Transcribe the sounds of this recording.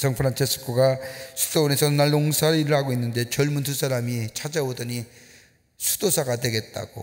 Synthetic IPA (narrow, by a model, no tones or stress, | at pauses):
sʌŋpʰɯɾant͡ɕʰes͈ʰɯ̥kʰoɡasʰu̥soone̞sʰʌnaɭːoŋsʰaɾiɾɯɭhaɡoinːɯnde̞t͡ɕʌɭmuntʰus͈ʰaɾamit͡ɕʰad͡ʑaodʌɲi | sʰu̥d̥osʰaɡadwe̞ɡe̞t̚t͈a̰ɡ̥o̰